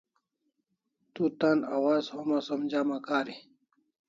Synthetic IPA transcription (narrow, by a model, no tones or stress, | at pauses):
t̪ut̪anawaːzhomasomd͡ʑaːmakaːɾi